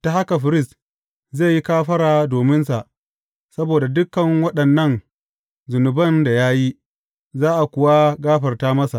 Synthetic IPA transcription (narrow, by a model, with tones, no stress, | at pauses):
ta˨ha˦ka˨ɸɪ˨ɾɪ˦st | zeː˦˨ji˦kaː˦ɸɐ˦ɾaː˨doː˨mɪ˦nsa˨ʔ | sɐ˦boː˨da˨dʊ˦kːɐ˨ŋwɐ˦ɗɐ˨nːɐ˦˨n | zʊ˨nʊ˨bɐ˦nda˨ja˦ji˦ | zaː˦ʔa˨kʷʊ˨wa˦ɡaː˦ɸɐ˨rtaː˦mɐ˦sa˨ʔ